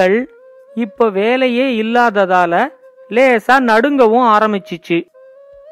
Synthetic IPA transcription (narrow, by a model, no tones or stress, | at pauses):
ɐɭ | ɪpːoːʋeːlɐjeːɪlːaːðɐðaːlɐ | leːsaːnɐɽɯŋɡɐʋɯ̃aːɾɐmɪt͡ʃːɯt͡ʃːɯ